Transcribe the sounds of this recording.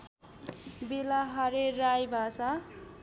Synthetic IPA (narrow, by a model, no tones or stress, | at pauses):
belaɦʌɾeɾajbʱasa